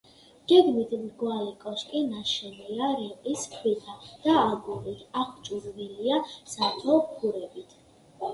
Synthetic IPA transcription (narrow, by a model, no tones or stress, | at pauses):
ɡ̥ɛɡmit̪ʰmɡwalɛkʼɔskʼinaʃɛniaɾɛqʼiskʰwit̪ʰad̪̥aːɡuɾit̪ʰaχt͡ʃʼuɾviliasat̪ʰɔkʰuɾɛbit̪ʰ